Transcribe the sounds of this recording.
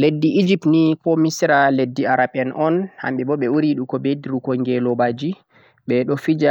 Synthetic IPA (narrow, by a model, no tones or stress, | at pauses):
ledːiʔːd͡ʒipnikɔmisɾaledːiaɾaɓɛnʔɔnha̰mɓɛbɔɓɛuɾiɗukɔbediɾukɔŋɡɛlɔbad͡ʒi | ɓɛɗɔfid͡ʒa